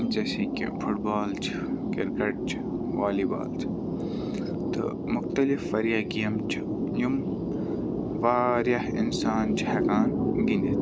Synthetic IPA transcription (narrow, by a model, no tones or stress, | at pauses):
d͡ʒɐsiːkḭfʰʊʈbaːlt͡ʃʰ | kɪɾkɐʈ̚t͡ʃʰ | ʋaːliːba̰ːlt͡ʃʰ | t̪ɨ̰ | mʊxt̪ɐlɪfːɐɾjaɡijɐmt͡ʃʰ | jum | ʋaːɾjɐhɪ̰nsaːnt͡ʃʰhɐkaːnɡinit̪